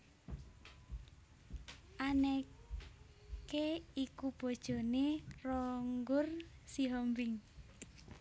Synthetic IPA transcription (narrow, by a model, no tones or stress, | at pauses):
ʔanɛ | keikub̥o̤d̥ʒ̥o̤nerɔŋɡʊrsiɦɔmbɪŋ